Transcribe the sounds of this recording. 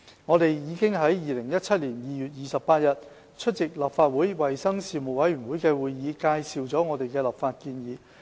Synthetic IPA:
ŋɔː˨˧t̪e˨jjiː˨˧kɪ˥ŋɦɐ˨˥jjiː˨lɪ˨˩ŋjɐ˥t̚t͡sʰɐ˥t̚liː˨˩njiː˨jyː˨˩t̚jiː˨˧sɐ˨p̚paː˧t̚jɐ˨t̚ | t͡ʃʰɵ˥t̚t͡sɪ˨k̚laː˨pfaː˧t̚wuː˨˥jwɐ˨jsɐ˥ŋsiː˨˩mo˨˩wɐ˨˥jɥyː˨˩nwuː˨˥jkɛː˧wuː˨˧jjiː˨˧˥kaː˧jsiː˨wt͡sɔː˨˥ŋɔː˨˧te˨jkɛː˧laː˨˩pfaː˧t̚kiː˧njiː˨˧

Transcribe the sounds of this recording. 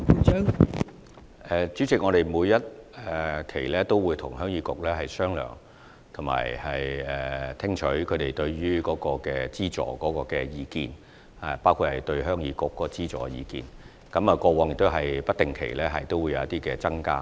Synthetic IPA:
ʔɛː˨t͡ʃyː˨˥t͡sɪ˨k̚ŋɔː˨˧ɾe˨jmuː˨˧jːɐ˥t̚ɛː˨˩kʰe˨˩jlɛː˥t̪o˥wuː˨˧jt̪ʰʊ˨˩ŋhœː˥ŋjiː˨˧˥kʊ˨k̚lɛː˥ɦɐ˨jsœː˥ŋlœ̰ː˨˩ŋ | t̪ʰʊ˨˩ma̰ː˨˩jhɐ˨jɛː˨˩t̪ʰɪ˥ŋt͡ʃʰɵ˨˥ɥkʰɵ˨˧ɥt̪e˨jt̪ɵ˧ɥɥyː˥kɔː˨˧˥kɔː˧kɛː˧t͡siː˥t͡sɔ̰ː˨˩kɔː˨˥kɔː˧kɛ˧jiː˨˧kiː˨˧n | a˨˩paː˥wkʰu˧thɐ˨jt̪ɵ˧ɥɦœː˥ŋjiː˨˧kʊ˨˩kːɔː˨˧˥ɔ˧˥t͡siː˥t͡sɔ̰ː˨˧jiː˨˧kḭː˨n | kɐ˨˥mɐː˨˧kɔː˧wɔː˨˧ŋjɪ˨k̚t̪o˥wɦɐ˨jpɐ˥t̚t̪ɪ˨ŋkʰḛ˨˩jlɛː˥ɦɐ˨jt̪o˥wuː˨˧ja˨˧wɐ˥t̪i˥kɛː˧t͡sɐ˥ŋka̰ː˧

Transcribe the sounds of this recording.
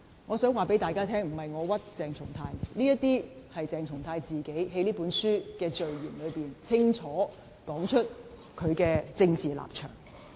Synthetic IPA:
ŋɔː˨˧sœː˨˥ŋwaː˨pe˨˥jt̪aː˨jkaː˥t̪ʰɛː˥ŋm̩˨˩hɐ˨jŋɔː˨˧wɐ˥t̚t͡sɛː˨˩ŋt͡sʰʊ̰˨˩ŋt̪ʰaː˧jnliː˥jɐ˥t̪iː˥hɐ˨jt͡sɛː˨ŋt͡sʰʊ˨˩ŋt̪ʰaː˧jt͡siː˨ke˨˥jɦe˨˥jliː˥puː˨˥nsyː˥kɛː˧t͡ʃɵ˨ɥjiː˨˩nlɵ˨˧ɥpiː˨nt͡sʰɪ˥ŋt͡ʃʰɔː˨˥ | kɔː˨˥ŋt͡ʃʰɵ˥t̚ | kʰɵ˨˧ɥkɛː˧t͡sɪ˧ŋt͡siː˨la̰ː˨p̚t͡ʃʰœ̰ː˨˩ŋ

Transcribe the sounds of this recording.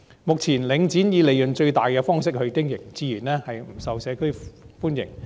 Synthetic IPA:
mʊ˨k̚t͡sʰiː˨˩nlɪ˨˧ŋt͡siː˨˥njiː˨˧le˨jɵ˨nt͡ʃɵ˧ɥt̪aː˨jkɛː˧fɔː˥ŋsɪ˥k̚hɵ˧ɥkɪ˥ŋjɪ˨˩ŋt͡siː˨˧jiː˨˩nɛː˥hɐ˨jm̩˨˩sɐ˨wsɛː˨˧kʰɵ˥ɥfuː˥njɪ̰˨˩ŋ

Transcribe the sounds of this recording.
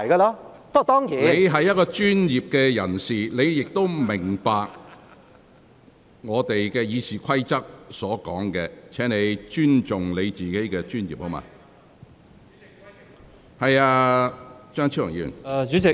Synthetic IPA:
jkaː˧lɔː˥pt̪ɔː˥ŋjiː˨˦ne˨˧jɦɐ˨jːɐ˥t̚kɔː˧t͡ʃyː˥njiː˨p̚kɛː˧jɐ˨˩nsiː˨˩le˨˧jjɪ˨k̚t̪o˥wmɪ˨˩ŋpaː˨k̚ | ŋɔː˨˧t̪e˨jkɛː˧jiː˨˧siː˨˩kʷʰɐ˥jt͡sɐ˥k̚sɔː˨˥kɔː˨˥ŋkɛː˧t͡sʰɛː˨˥ŋne˨˧jt͡ʃyː˥nt͡ʃʊ˨˩ŋle˨˧jt͡siː˨˩ke˨˥jkɛː˧t͡ʃyː˥njḭː˨p̚ho˨˥wma̰ː˧ | hɐ˨jaː˧ | t͡ʃœː˥ŋt͡sʰiː˥lʊ˨˩jiː˧jy̰˨˩n˧t͡ʃyː˨˥t͡sɪ˨

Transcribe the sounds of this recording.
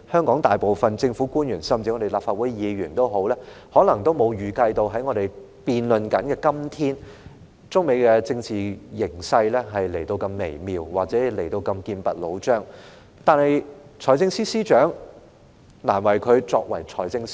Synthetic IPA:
hœː˥ŋkɔː˨˥ŋt̪aː˨jpo˨wfɐ˨nt͡sɪ˧ŋfuː˨˥kuː˥njyː˨˩nsɐ˨mt͡siː˧ŋɔ˨˧te˨jlaː˨pfaː˧t̚wuː˨˥jjiː˨˧ɥyː˨˩nt̪o˥wɦo˨˥wlɛː˥ | hɔː˨˥lɐ˨˩ŋt̪o˥wmo˨˧wjyː˨˩kɐ˧jt̪o˧wɦɐ˨˥jŋɔː˨˧ɾe˨j | piː˨nlɵ˨nkɐ˨˥nkɛː˧kɐ˥mt̪ʰiː˥n | t͡sʊ˥ŋme˨˧jkɛ˧t͡sɪ˧ŋt͡siː˨jɪ˨˩ŋsɐ˧jlɛː˥ɦɐ˨jle˨˩jt̪o˧wkɐ˧mːe˨˩jmiː˨wwaː˨k̚t͡sɛː˨˥le˨˩jt̪o˧wkɐ˧mkiː˧npɐ̰˨t̚lo̰˨˧wt͡ʃœː˥ŋ | t̪aː˨nhɐ˨j | t͡sʰɔː˨˩jt͡sɪ˧ŋsiː˥siː˥t͡ʃœː˨˥ŋ | naː˨˩nwɐ˨˩jkʰɵ˨˧ɥt͡sɔː˧k̚wɐ˨˩jt͡ʃʰɔː˨˩jt͡sɪ˧ŋs

